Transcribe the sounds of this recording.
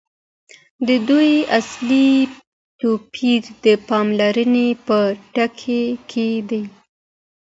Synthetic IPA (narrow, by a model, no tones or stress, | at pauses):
d̪əd̪ujasli | t̪opʰiɾd̪əpɑmlaɾənepəʈakʰekʰed̪aj